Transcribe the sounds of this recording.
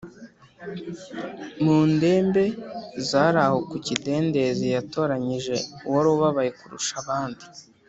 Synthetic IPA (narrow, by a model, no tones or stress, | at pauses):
muːnde̞ːmbe̞zaːɾaho̞kucide̞ːnde̞zejato̞ːɾaɲiʒe̞uwoɾoβaβajekuɾṵʃaβaːndi